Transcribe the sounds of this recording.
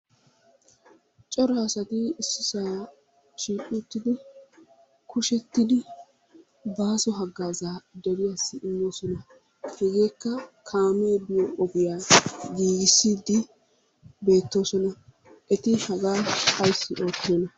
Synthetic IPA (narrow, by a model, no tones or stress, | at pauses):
t͡ʃʼɔɾɐːsɐt̪ɪɪsːɪsaː | ʃiːkʼuːt̪ːɪd̪ɪ | kʰʊʃɛt̪ːɪd̪ɪ | baːsɔɦɐɡːaːzaːd̪ɔɾɪjasːɪʔɪmːo̞ːsɔnɐ | hɛɡe̞ːkːɐkʰaːmeːbɪjɔʔɔɡɪjaːɡiːɡɪsːiːd̪ːɪ | be̞ːt̪ːo̞ːsɔnɐ | ʔɛt̪ɪhɐɡaːɐjsːɪʔo̞ːt̪ːeːnɐ